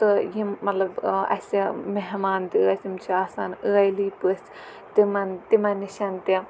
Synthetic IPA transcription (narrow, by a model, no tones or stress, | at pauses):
t̪ɨjimːɐlɐbɐ̰sʲimeɦmaːnt̪iɐsimt͡ʃʰiaːsanɨɐjliːpɨs | t̪imɐnt̪imɐniʃɐnt̪i